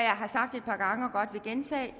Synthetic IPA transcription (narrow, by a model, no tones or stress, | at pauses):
jɑ̈ɪɦɑ̈sɑ̈ɡ̥̚d̥e̝d̥̚pʰɑ̈ɡ̥ɑ̈ŋəɒ̽ɡ̥ɒ̽d̥ʋe̝ɡ̥ent͡sʰɛ̰ː